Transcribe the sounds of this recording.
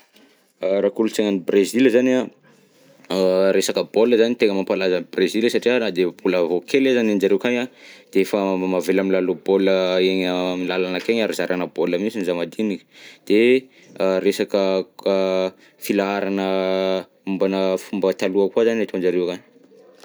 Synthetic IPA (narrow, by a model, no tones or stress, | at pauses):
ɾakulut͡seŋənibrezilzana | ɾesakəboləzanit̪eŋəmampalazəbrezilsaʈ͡ʂianad̪ebuləvokelezanand͡ʒaɾewkaɲad̪̥eefəmavelamilaloboləeɲəmilalanakeɲaɾazaɾʔanəbolamisinizamad̪inikə̥d̪̥e | ɾesakə | filaaɾanə | umbanəfumbət̪aluakwazanat̪oand͡ʒaɾewkan